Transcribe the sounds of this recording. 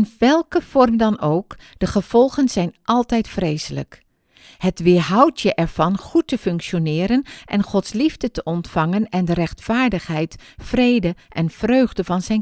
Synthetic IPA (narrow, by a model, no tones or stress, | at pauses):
ɪnʋɛlˠkəv̥ɔrmdɑnowk | d̥əχəv̥ɔlˠχənzɛjnʔɑlˠtɛjtfreːzələ̰k | hətʋɪɦɑwtjəʔɛɹv̥ɑnχutːəfɵŋkʃonɪːɾənʔɛnχɔtslivdətəʔɔntfɑŋənɛndərɛχtfaːɹdəχɦɛjtfrejdəʔɛnfrøːɥχdəvɑnzɛjn